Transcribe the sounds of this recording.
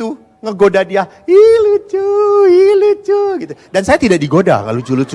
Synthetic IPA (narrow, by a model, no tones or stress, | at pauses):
t̪u | ŋəɡodadia | ilut͡ʃuilut͡ʃuɡit̪udansajat̪idaʔ̚diɡoda̰ŋa̰lud͡ʒulut͡ʃ